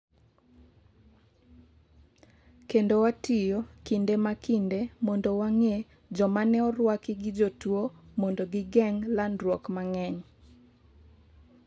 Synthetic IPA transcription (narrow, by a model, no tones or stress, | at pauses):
kendowatɪjokindemakindemɔndowaŋe | d͡ʒɔmanɛɔɾwakɪɡɪd͡ʒotwomɔndoɡɪɡɛŋlandɾwɔkmaŋɛɲ